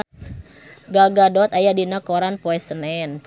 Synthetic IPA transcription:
ɡaɡadɔt̪ajadinakɔɾanpɔɛsənɛn

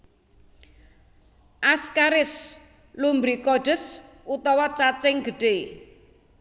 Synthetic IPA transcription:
ʔaskaɾɪs | lumbɾikɔɖ̥ə̤s | ut̪ɔwɔt͡ʃat͡ʃɪŋɡə̤ɖ̥e

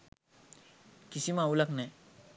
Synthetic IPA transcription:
kɪsimãuləkn

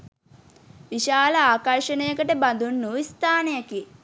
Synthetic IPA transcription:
ʋiʃaːləaːkaɾʃənəjəkəʈəband̪unːuist̪aːnejaki

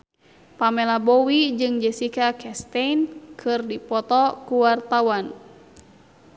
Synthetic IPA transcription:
pamɛlabɔwid͡ʒɨŋd͡ʒɛsikakɛst̪ɛnkʰɨrdipɔt̪ɔkuwart̪awan

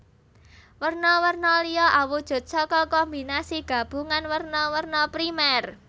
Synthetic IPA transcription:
wərnɔwərnɔlijɔʔawud̥ʒ̥ʊ̤t̪̚sɔkɔkɔmbinasiɡ̥ä̤b̥ṳŋanwərnɔwərnɔpɾimɛr

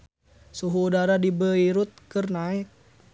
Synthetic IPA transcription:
suɦuːdaɾadibəiɾut̪̚kɨrnaɪt̚

